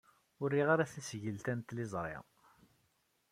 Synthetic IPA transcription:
ʊrːiʁaɾaθæsʝəlt̪ænt̪lɪzˤɾˤɪ̰ʁ

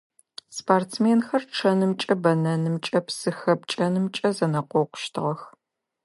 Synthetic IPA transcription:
spʰaːrtt͡smeːnxɐrʈ͡ʂʰɐnɨmt͡ʃʼɐbɐnɐnɨmt͡ʃʼɐpsɨxɐp̚t͡ʃʼɐnɨmt͡ʃʼɐzɐnɐqʷɔqʷʊ̥ʃtʰɨʁɐx

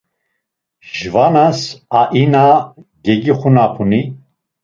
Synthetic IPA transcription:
ʒvanasaʔinaɡɛɡiχunapʰuni

